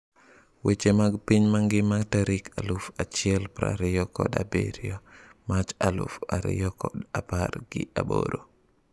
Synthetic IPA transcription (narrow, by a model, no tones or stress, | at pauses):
wet͡ʃemaɡpiɲmaŋɡimaɡtaɾikalufat͡ʃiɛlpɾa̰ɾijɔkɔ̰dabḛɾiomat͡ʃalṵfa̰ɾḭjɔkɔdapaɾɡḭa̰bo̰ɾo